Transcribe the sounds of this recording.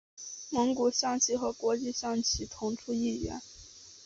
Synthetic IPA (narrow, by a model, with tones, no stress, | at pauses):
mɤ˧˥ŋku˨˩ɕjɑ˥˧ŋt͡ɕʰi˥xɤ˧˥kwɔ˧˥t͡ɕi˥˧ɕjɑ˥˩ŋt͡ɕʰi˥t̪ʰʊ˧˥ŋʈ͡ʂʰu˥i˥˩ɥɛ̰˧˥n